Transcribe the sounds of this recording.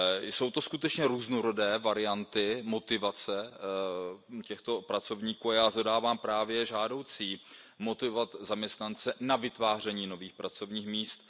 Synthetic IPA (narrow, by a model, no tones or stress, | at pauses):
so̞wt̪o̞skut̪ɛt͡ʃɲɛɾuːznoɾo̞dɛːvaɾɪant̪ɪmo̞t̪ɪvat͡sɛ | cɛxt̪o̞pɾat͡so̞vɲiːkuːajaːzodaːvaːmpɾaːvjɛʒaːdo̞wt͡siː | mo̞t̪ɪvovat̪zamɲɛst̪nant͡sɛnavɪt̪vaːr̝ɛɲiːnoviːxpɾat͡so̞vɲiːxmiːst̪